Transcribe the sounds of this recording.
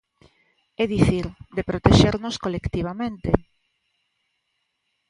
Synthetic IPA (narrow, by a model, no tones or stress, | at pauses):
eðiθiɾd̪epɾot̪eʃeɾnoskolekt̪iβ̞amẽnt̪e